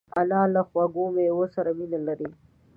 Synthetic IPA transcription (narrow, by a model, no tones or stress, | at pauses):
alɑlaxwaɡomewosaɾaminalaɾi